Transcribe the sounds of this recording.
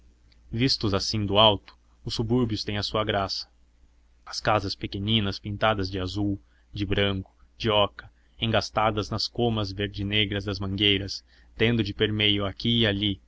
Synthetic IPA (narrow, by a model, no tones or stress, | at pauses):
vist̪ʊzasĩd̪ʊawt̪ʊ̥ | ʊsːubuɾbjʊst̪ẽj̃ɐsuɐɡɾasɐ̥ | ɐskazɐspekenĩnɐspĩnt̪ad̪ɐzd͡ʒɪazuw | d͡ʒɪbɾɐ̃ŋkʊ̥d͡ʒɪɔkɐ | ẽŋɡast̪ad̪ɐznɐskomɐzveɾd͡ʒɪneɡɾɐzd̪ɐzmɐ̃ŋɡejɾɐs | t̪ẽnd̪ʊd͡ʒɪpeɾmejʊakiːali